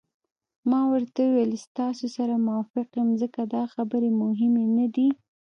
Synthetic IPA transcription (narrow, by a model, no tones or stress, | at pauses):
mɑwəɾt̪awwelst̪ɑsosaɾamʊwɑfɪqjəmzəkad̪ɑxabəɾemʊɦɪmenad̪i